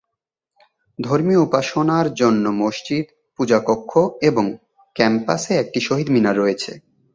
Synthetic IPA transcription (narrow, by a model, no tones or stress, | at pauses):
d̪ʱoɾmioupaʃonaɾd͡ʑonːomoʃt͡ɕid̪ | pud͡ʑakokʰːoeboŋ | kɛmpa̰seɛk̚ʈiʃoɦid̪minaɾoet͡ɕʰḛ